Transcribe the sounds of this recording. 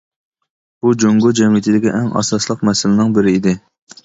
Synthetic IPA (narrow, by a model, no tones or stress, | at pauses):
b̥ud͡ʒoŋɡod͡ʒɛmijɪt̪ʰɪd̪ɪkʲiʔɛŋɑ̰sɑslˠəqmɛsɪlɪnɪŋbɪɾɪid̪ɪ